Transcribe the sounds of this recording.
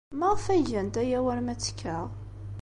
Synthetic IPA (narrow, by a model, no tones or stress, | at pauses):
məʁfæʝænt̪æjæwəɾmæt͡sːkʰːəʁ